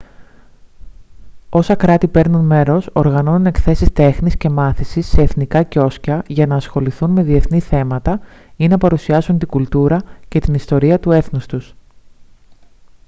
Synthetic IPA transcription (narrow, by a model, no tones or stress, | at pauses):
o̞sɐkɾɐt̪ipe̞ɾnunme̞ɾo̞so̞ɾɣɐno̞nune̞kθe̞sist̪e̞xnisce̞mɐθisisːe̞ːθnikɐco̞scɐʝɐnɐːsxo̞liθunme̞ðie̞θniθe̞mɐt̪ɐ | inɐpɐɾusiɐsunt̪iɡult̪uɾɐce̞t̪inist̪o̞ɾiɐt̪ue̞θnust̪us